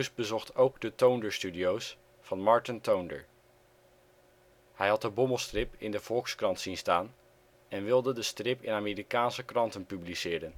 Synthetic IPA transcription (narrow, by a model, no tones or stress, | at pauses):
ʉsbəzɔχtowɡdətowndəɹstydiows | fɑnmɑɹtəntowndə̰ɹ | hɛjɦɑt̚dəbɔməlˠstrɪpɪndəv̥ɔlˠkskrɑntsinstaːn | ɛnʋɪlˠdədəstrɪpɪ̰naːmeːɾikaːnsəkrɑntənpyblisɪːɾən